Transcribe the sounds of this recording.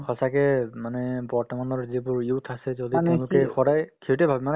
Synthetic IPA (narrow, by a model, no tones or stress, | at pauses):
xʰɔsakɛmanɛbɔɹtɔmanɔɹzibʊɹjutʰasɛzɔdiɛ̃lʊkɛxɔdajkʰiutɛbʱabɛman